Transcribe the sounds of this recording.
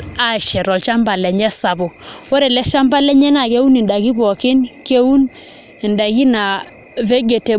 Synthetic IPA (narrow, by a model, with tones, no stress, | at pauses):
a˦˨ʃɛ˨ɾɔ˨lt͡ʃa˦mba˨lɛ˨ɲɛ˦sa˨bu˨wo˦ɾe˨lɛ˦ʃa˦mba˦lɛ˦ɲɛ˦na˨ke˦u˦ni˨nda˨ɡi˦bɔ˨kɪ˦nke˦wu˦n | i˨nda˨ki˦na˨ | ve˦ɡe˨te˨